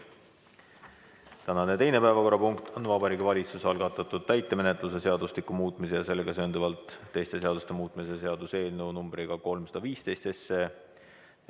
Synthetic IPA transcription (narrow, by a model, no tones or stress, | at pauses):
t̪ænɑnet̪e̞jne̞pæevɑko̞ɾrːɑpuŋkt̪ʰonvɑbɑɾiːɡivɑlʲit̪susɑlɡ̥ɑt̪ːˑɑt̪ːˑud̪̥t̪æjt̪ːˑeme̞net̪ˑluse̞se̞ɑd̪̥ustlikːˑumuːt̪ˑmisejɑse̞lːeɡ̥ɑseːnd̪uvɑlt̪ːe̞jst̪e̞se̞ɑd̪ust̪e̞muːt̪ˑmisese̞ɑd̪̥use̞ːlnenumbɾiɡ̥ɑko̞lmsɑ̥d̪ɑviːst̪e̞jst̪esːe